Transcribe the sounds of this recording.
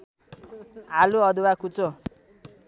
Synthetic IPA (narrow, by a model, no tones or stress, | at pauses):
aluʌd̪uwakut͡so